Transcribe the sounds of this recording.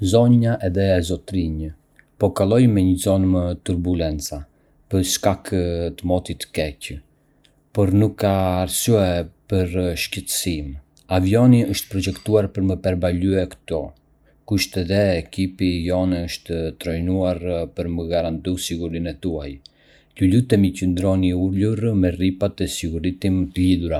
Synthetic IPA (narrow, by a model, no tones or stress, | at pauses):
zɔɲaʔɛðɛɛzɔt̪ɾiɲə | pɔkalˠɔjmɛɲəzɔnmət̪uɾbulɛnt͡sa | pəɾʃkakt̪əmɔt̪it̪ə̥kɛcə | pɔɾnukːaːɾsyɛpəɾʃcət̪əsim | avjɔniəʃt̪ə̥pɾɔd͡ʒɛkt̪uaɾpəɾməpɛɾbalyɛkə̥t̪ɔ | kuʃt̪ɛðɛːkipijɔnɛəʃt̪ət̪ɾɔjnuaɾpəɾməɡaɾant̪usiɡuɾinɛt̪uaj | culut̪ɛmicənd̪ɾɔniuluɾmɛripat̪ɛsiɡuɾit̪imət̪əliðuɾa